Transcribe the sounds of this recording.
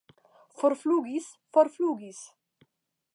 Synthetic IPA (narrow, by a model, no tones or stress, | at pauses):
fɔɾfluːɡis | fɔɾfluːɡis